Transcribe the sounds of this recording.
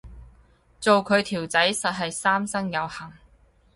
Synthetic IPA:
t͡so˨wkʰɵ˨˧ɥt̪ʰiː˨˩wt͡sɐ˨˥jsɐ˨t̚ɦɐ˨jsaː˥msɐ˥ŋjɐ˨˧whɐ˨˩ŋ

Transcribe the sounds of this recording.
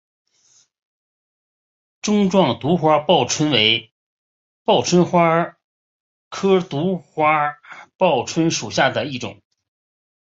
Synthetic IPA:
ʈ͡ʂʊ˥ŋʈ͡ʂwɑ˥˩ŋt̪u˧˥xwa˥pɑ˥˩ʊʈ͡ʂʰwə˥nwe˧˥ɪ | pɑ˥˩ʊʈ͡ʂʰwə˥nxwa˥ | kʰɤ˥t̪u˧˥xwa˥pɑ˥˩ʊʈ͡ʂʰwə˥nʂu˨˩ɕja˥˩d̪ə˩i˥˩ʈ͡ʂʊ̰˨˩˦ŋ

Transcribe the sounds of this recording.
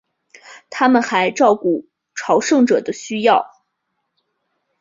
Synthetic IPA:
t̪ʰa˥mə˨nxa˧˥ɪʈ͡ʂɑ˥˧ʊku˥˩ | ʈ͡ʂʰɑ˧˥ʊʂɤ˥˩ŋʈ͡ʂɤ˨˩d̪ə˦ɕy˥jɑ˥˩ʊ

